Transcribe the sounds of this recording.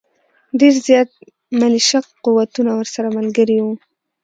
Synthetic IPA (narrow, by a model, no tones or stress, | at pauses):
ɖeɾzjɑt̪̚ | maliʃakquwat̪unawəɾsaɾamalɡəɾiwu